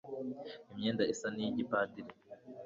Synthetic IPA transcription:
imɲeːndaisanijiɟipaːdiɾi

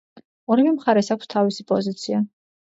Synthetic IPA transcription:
ɔɾɛvɛmχaɾɛsakʷst̪ʰavisipʼɔzit̪sʰia

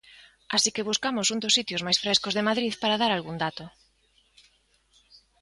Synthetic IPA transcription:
asikeβuskamʊsund̪osit̪jʊzmajsfɾeskozðemaðɾiðpaɾaðaɾalɣund̪at̪ʊ

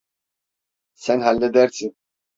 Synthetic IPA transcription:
sɛnhalːɛd̪ɛɾt̪ʰi

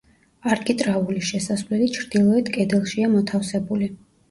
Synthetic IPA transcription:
aɾkʼit̪ʼɾauliʃɛsasvlɛlit͡ʃʰɾd̪̥ilˠɔɛt̪kʼɛd̪ɛlˠʃiamɔt̪ʰafsɛbuli

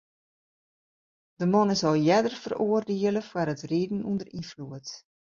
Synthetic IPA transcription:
d̥əmɔnɪsɔlˠjɛdərfəroərdeələfwaɾətriːdn̩undərifluət

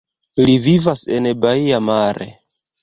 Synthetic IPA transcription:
livivase̞nbaiamaɾe̞̰

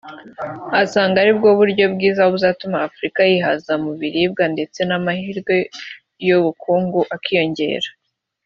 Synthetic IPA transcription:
asaːŋɡaɾibɡo̞βuɾɟo̞bɡiːzahoβuzaːtumaːfuɾikajiɦazamuβiɾib̚ɡande̞t͡se̞namahiɾɡwe̞ | joβukʰuːŋɡuʔakijo̞ɲɟe̞̰ːɾḁ

